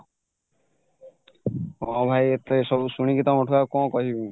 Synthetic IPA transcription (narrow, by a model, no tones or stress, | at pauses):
mɔ̃bʱajet̪eesɔbusuɽ̃ikit̪ɔmɔʈʰuakɔ̃kɔɦibũ